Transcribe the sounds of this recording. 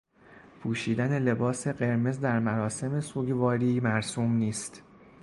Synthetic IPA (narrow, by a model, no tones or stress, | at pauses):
pʰuːʃiːd̪æne̞le̞bɒːse̞ɢe̞ɾme̞zd̪æɾmæɾɒːse̞me̞suːɟvɒːɾiːmæɾsuːmniːst̪